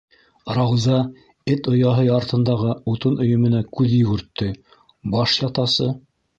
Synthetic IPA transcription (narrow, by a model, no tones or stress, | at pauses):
rɑwzɑ | ɘt̪ŏjɑɦɤɑɾt̪ɤ̆nd̪ɑʁɤut̪ɤnɵ̆jɵ̆mɘ̆nækʉðjɵ̆ɡɘ̆ɾt̪ːɘ | bɑʃjɑt̪ɑsɤ